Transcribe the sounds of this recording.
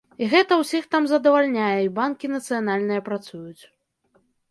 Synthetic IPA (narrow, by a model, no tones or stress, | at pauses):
iɣɛt̪ɐwsʲixt̪amzɐd̪ɐvalʲnʲajɛibankʲinɐt̪sɨjanalʲnɨjɐpɾat̪sujut͡sʲ